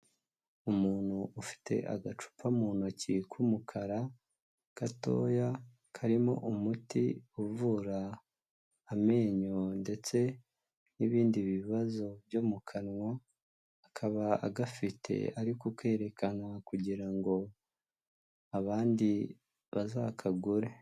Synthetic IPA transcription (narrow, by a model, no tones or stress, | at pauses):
umuːn̥huːfi̥te̞̰ʔa̰ɡat͡ʃu̥pʰamuːn̥acikʰumukʰaɾa | kato̞̰ːja | kʰaɾimo̞̰ʔumutḭuvuːɾaː | me̞ːɲo̞nde̞t͡se̞ | niβiːndiβiβazo̞vjomukʰanwaː | kʰaβaa̰ɡafitʰe̞̰aɾikokwe̞ːɾe̞kanakuɟiɾaŋɡo̞ | aβaːndi | βazaːkʰaɡuɾe̞